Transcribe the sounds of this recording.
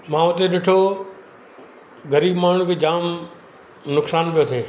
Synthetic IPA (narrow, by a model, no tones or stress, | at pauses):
mãːʊt̪eɗɪʈʰo | ɡəɾiːbmaːɳ̤ũkʰed͡ʑaːm | nʊksaːnpijot̪ʰeː